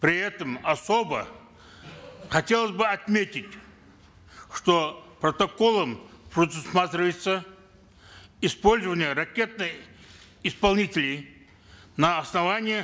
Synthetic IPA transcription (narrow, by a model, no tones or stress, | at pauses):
pɾʲɪɛt̪əmɐsobə̰ | χɐtʲe̞lˠəsʲbɨɐt̪mʲetʲɪtʲ | ʂt̪opɾət̪ɐkolˠəmpɾəd̪ʊsmat̪ɾʲɪvəjɪt̪sə | ɪspo̞lʲzəvənʲɪjəɾɐkʲe̞t̪̚nɨj | ɪspɐlˠnʲitʲɪlʲɪj | nəːsnɐvanʲɪjə